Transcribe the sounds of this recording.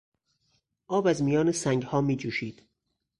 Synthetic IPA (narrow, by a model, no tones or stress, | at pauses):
ʔɒːbæzmijɒːnesæŋɡhɒːmiːd͡ʒuːʃiːd̪̥